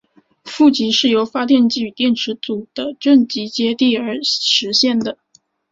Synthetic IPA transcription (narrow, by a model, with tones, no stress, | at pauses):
fu˥˩t͡ɕi˧˥ʂɻ̩˥˩jo˧˥ʊfa˥t̪jɛ˥˧nt͡ɕi˥˩y˨˩t̪jɛ˥˩nʈ͡ʂʰɻ̩˧˥t͡su˨˩d̪̥ə˦ʈ͡ʂə˥˩ŋt͡ɕi˧˥t͡ɕjɛ˥t̪i˥˩ə˞˧˥ʂɻ̩˧˥ɕjɛ˥˩nd̪ə˩